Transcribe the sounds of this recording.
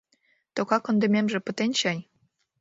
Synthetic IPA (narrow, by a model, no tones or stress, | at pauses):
t̪okɑkɤ̆nd̪ə̆mʲemʒĕpə̆t̪enʲɕɑj